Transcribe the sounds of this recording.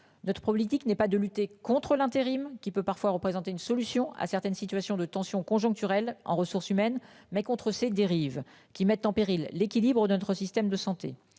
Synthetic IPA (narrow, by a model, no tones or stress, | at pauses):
nɔt̪χəpχɔblit̪iknɛpad̪əlyt̪ekɔ̃t̪χəlɛ̃t̪eʁimkʲipøpaʁfwaʁəpχezɑ̃t̪eynsɔlysjɔ̃a̰sɛʁt̪ɛnsit̪ɥasjɔ̃d̪ət̪ɑ̃sjɔ̃kɔ̃ʒɔ̃k̚t̪yʁɛlɑ̰̃ʁəsuʁsymɛn | mɛkɔ̃t̪χəsed̪eʁiv | kʲimɛt̪ːɑ̃peʁilːekʲilibʁəd̪ənɔt̪χəsist̪ɛmd̪əsɑ̃t̪ḛ